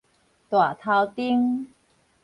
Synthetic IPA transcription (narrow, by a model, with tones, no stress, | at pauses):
t̪wa˨˩t̪ʰa˧wt̪i˧˥ŋ